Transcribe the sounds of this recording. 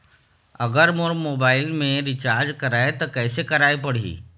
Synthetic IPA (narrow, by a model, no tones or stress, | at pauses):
əɡəɾmoɾmobailmẽɾit͡ɕaɾd͡ʑkəɾajt̪əkəjsekəɾajpəɽ̤ḭː